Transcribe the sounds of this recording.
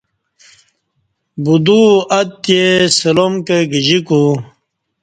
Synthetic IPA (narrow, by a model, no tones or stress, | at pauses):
bud̪uɐt̪jesɐlomkeɡid͡ʑiku